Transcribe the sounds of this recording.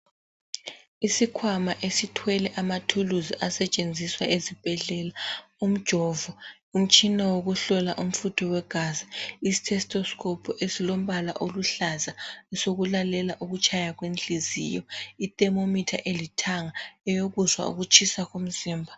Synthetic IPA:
isikʰwamaʔesitʰwɛlɛʔamatʰuluziʔasɛt͡ʃʼend͡zʱiswaʔezib̥ʱɛɮɛlaum̩d̥ʒ̥ʱɔːvɔ | um̩t͡ʃʼʰinawoɣuɬɔlaʔum̩futʰɔwɛɡ̥ʱaziisi̥tʰɛstʰʼɔskʰʼɔpʰɔʔesilom̩βala̰ʔoluɬazaɛsoɣulalɛlaʔuɣut͡ʃʰʼajaɣwent͡ɬʼizḭjɔitʼɛmomitʰaʔelitʰaŋaɛjoɣuzwa̰ṵɣut͡ʃʰʼisaɣum̩ziːmbʱa

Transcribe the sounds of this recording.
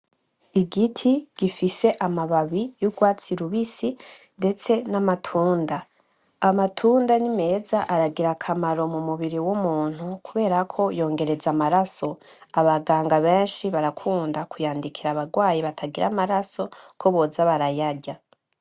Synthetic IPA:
iɡitʰiɡ̥ifise̞ʔamaβaβijuɡwaːt͡siɾuβisinde̞t͡se̞namatʰuːndaː | matʰuːndanime̞ːzaʔaɾaɡiɾakʰamaɾo̞mumuβiɾiwumuːn̥hukuβe̞ːɾakʰo̞jo̞ːŋɡe̞ɾe̞zamaɾaso̞aβaɡaːŋɡaβe̞ːnʃiβaɾakʰuːndakʰujaːndikʰiɾaβaɡwaːjiβatʰaɡiɾamaɾaso̞kʰo̞βo̞zaβaɾajaɾɟa

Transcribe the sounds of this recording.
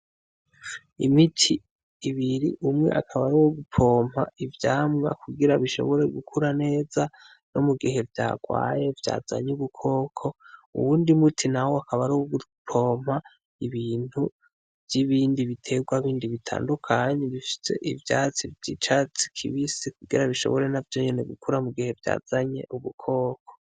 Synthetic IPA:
ḭmitʰiː | βiɾiʔumŋe̞̰ʔakʰaβaɾuwoɡupʰo̞ːm̥a̰ivjaːmŋa̰kuɡiɾaβiʃo̞̰βo̞ɾe̞ɡukʰuɾane̞ːza | no̞muɡiɦe̞vja̰ːɡ̥wa̰ːje̞vja̰ːza̰ɲuβukʰo̞ːkʰo̞ṵβuːndimutʰinahoakʰaβaɾuɡutʰo̞ːm̥ha | iβiːn̥hu | vjiβiːndiβitʰe̞ɡwaβiːndiβitʰa̰ːndukʰaɲeβifi̥se̞̰ʔivjat͡sivɟit͡ʃat͡si̥kʰḭβisikuɡiɾaβiʃo̞̰βo̞ɾe̞navjo̞ɲe̞ne̞ɡukʰuɾamuɡihe̞vja̰ːz̥aɲe̞̰ʔuβukʰo̞ːkʰo̥

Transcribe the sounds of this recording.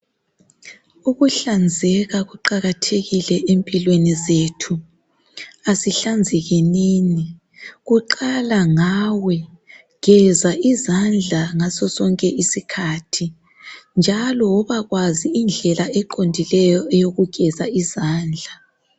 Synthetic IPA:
uɣuɬand͡zʱɛɣaɣuǃaɣatʰeɣilɛʔempʼilwenizetʰu | asiɬand͡zʱɛɣiniːni | ɣuǃalaŋawɛ | ɣ̥ɛzaʔizand͡ɮʱaŋasɔsɔŋkʼɛʔisikʰatʰi | nd͡ʒʱalɔɔβaɣwaziːnd͡ɮʱɛlaɛǃʰondʱilɛjɔɛjoɣuɡ̥ʱɛzaizaːnd͡ɮʱa

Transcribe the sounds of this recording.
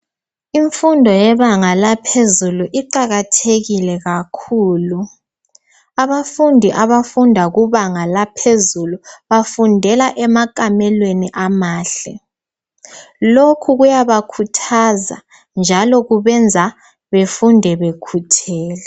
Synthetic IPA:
iɱfundʱɔjɛβaŋalapʰezuluʔiǃaɣatʰeɣilɛɣakʰuːlu | aβafundʱiʔaβafundʱaɣuβaŋalapʰezuluβafundʱɛlaʔɛmakʼamɛlweniʔamaːɬɛ | lokʰuɣujaβakʰutʰaza̰ | nd͡ʒʱalɔɣuβɛnd͡zʱa | βefundʱɛβekʰutʰɛːlɛ

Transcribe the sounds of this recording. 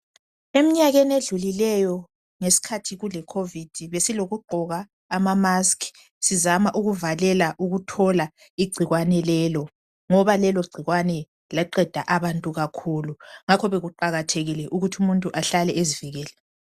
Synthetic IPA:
emiɲaɣeneɮulilɛjɔ | ŋesi̥kʰatʰiɣulɛkʰovid̥ʱiβesiloɣuɡ͡ǃʱɔɣaː | mamaskʰ | sizamaʔuɣuvalɛlaʔuɣutʰɔla | iɡ͡ǀʱiɣwanɛlɛlɔ | ŋɔβalɛlɔɡ͡ǀʱiɣwanɛ | laǃɛd̥ʱaʔaβantʼuɣakʰuluŋakʰɔβeɣuǃaɣatʰeɣilɛʔuɣutʰumuntʼuʔaɬalɛeziviɣɛːlɛ

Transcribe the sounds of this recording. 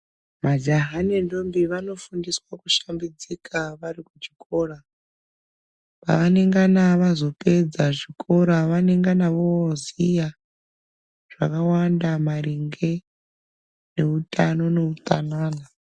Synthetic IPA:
mad͡ʒaɦanendombiʋano̞fundiswakuʃambid͡zikʰaʋarikud͡ʒikʰo̞ːra | pa̰ʋane̞ŋɡanaʋazo̞pe̞d͡zaʐikʰo̞ɾaʋane̞ŋɡanaʋozija | ʐ̥a̰kawandamariŋɡe̞ | ne̞utʼano̞ne̞uta̰naːna

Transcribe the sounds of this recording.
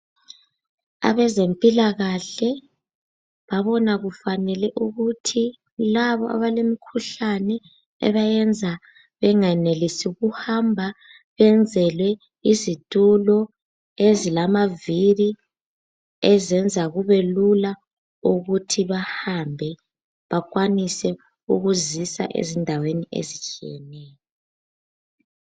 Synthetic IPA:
a̰βɛzempʼilaɣaɬɛ | βaβɔnaɣufanɛlɛʔuɣutʰi | laβɔʔa̰βalemikʰuɬanɛ | ɛ̰βajɛnd͡zʱa | βɛŋɛnelisiuɣuhambʱa | βɛnd͡zʱɛlwɛ | izitʼulɔ | ezilamavili | ɛzɛnd͡zʱaɣuβelula | uɣutʰiβahambʱɛ | βak̬ʼwanisɛ | uɣuzisa̰ʔḛzindʱaweniʔḛzit͡ʃʼijɛ̰nɛːjɔ

